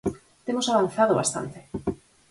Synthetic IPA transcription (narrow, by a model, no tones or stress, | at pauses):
t̪emosaβanθað̞oβa̰st̪a̰nt̪e̥